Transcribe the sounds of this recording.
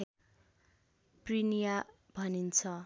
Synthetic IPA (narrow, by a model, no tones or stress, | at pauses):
prinija | bʱʌnint͡sʰʌ